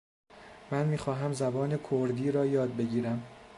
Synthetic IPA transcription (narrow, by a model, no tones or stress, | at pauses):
mænmiːxɒːɦæmzæbɒːnekʰoɾd̪iːɾɒːjɒːd̪̚be̞ɟiːɾæm